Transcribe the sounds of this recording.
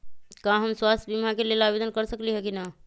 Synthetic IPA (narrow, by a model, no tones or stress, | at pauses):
kãɦəmswast̪ʰəbʱimɦãkelelabed̪ənkəɾsəkliɦɛkina